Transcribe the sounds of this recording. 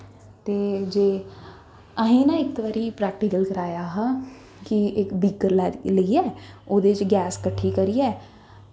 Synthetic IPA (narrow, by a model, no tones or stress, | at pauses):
t̪eːd͡ʒeː | əɦĩːnãːɪk̚t̪ʋaːɾiːpɾɛːk̚ʈiːkəlkəɾaːjaːɦãː | kiɪkbiːkəɾlləiːɛːoːd̪eːt͡ʃɡɛːskəʈʰːiːkəɾiːɛː